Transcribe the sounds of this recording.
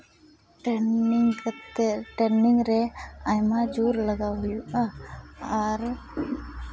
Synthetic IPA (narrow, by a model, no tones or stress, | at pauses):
ʈeŋt̪ʈenɪŋɡɾeajmãd͡ʒuːɾləɡaʋjuaaɾ